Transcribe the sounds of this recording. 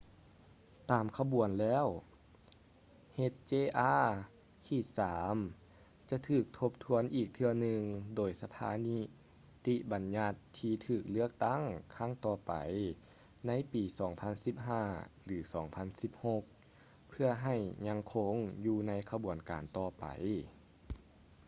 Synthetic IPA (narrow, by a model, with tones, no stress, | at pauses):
t̪aː˨˩mkʰa˧bu˨˩ənlɛː˧˥˨w | he˧t̪̚t͡ɕeː˧˩ʔaː˧˥ | k̪ʰiː˧˩saː˨˦m | t͡ɕa˧t̪ʰɯː˧˩k̚t̪ʰo˧p̚t̪ʰu˧˥ənʔiː˨˩k̚t̪ʰɯ˧ɐnɯ˧ŋdoː˨˩jsa˧p̪ʰa̰ː˧˦ni˧˥ | t̪i˧ba˨nɲa˧t̪ʰːiː˧t̪ʰɯː˧˩k̚lɯ˧˥˩ək̚t̪a˧˥˩ŋkʰa˧˥˨ŋt̪ɔː˧pa̰˨˩j | na˧˥˨jpiː˨˩sɔː˩˦ŋpʰa˧˥˨nsi˧˥p̚ɦaː˧˩lɯː˨˩˦sɔː˨˩˦ŋpʰa˧˥nsi˧˥p̚ho˧k̚ | pʰɯ˧ɐɦa˧˩jɲa˧ŋkʰo˧˥ŋjuː˧na˧˥jkʰa˧bu˨˩ənkaː˨˩nt̪ɔː˧˩pa̰˨˩j